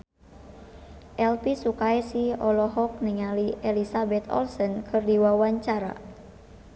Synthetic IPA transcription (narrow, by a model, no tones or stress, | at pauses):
ʔɛlpisukaɛsiɔlɔɦɔk̚niŋaliʔɛlisabɛt̪ɔ̰lsɔnkʰɨrdiwawaɲt͡ʃaɾa̰